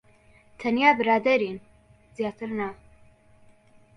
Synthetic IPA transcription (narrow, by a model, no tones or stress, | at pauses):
t̪ʰɐnjaːbɨɾaːd̪ɐɾin | z̥ijaːt̪ʰɨɾna